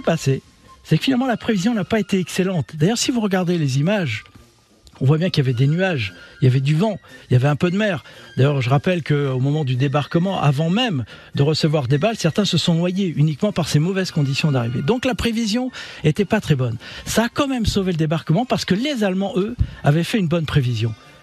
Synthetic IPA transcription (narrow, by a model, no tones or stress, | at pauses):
ipase | sɛkəfinalmɑ̃lapχevizjɔ̃napaet̪eɛkselɑ̃t̪d̪ajœʁsivuʁəɡaʁd̪elezimaʒ | ɔ̃vwabjɛ̃kiljavɛd̪enyaʒiljavɛd̪yvɑ̃iljavɛɛ̃pød̪əmɛːʁd̪ajœʁʒəʁapɛlkəomɔmɑ̃d̪yd̪ebaʁkəmɑ̃ʔa̰vɑ̃mɛmd̪əʁəsəvwaʁd̪ebalsɛʁt̪ɛ̃səsɔ̃nwajeynikmɑ̃paʁsemɔvɛz̥kɔ̃d̪isjɔ̃d̪aʁived̪ɔ̃klapχevizjɔ̃et̪ɛpat̪χɛbɔnsaːkɑ̃mɛmsoveləd̪ebaʁkəmɑ̃paʁsə̥kəlezalmɑ̃ʔøavɛfɛynbɔnpχevizjɔ̃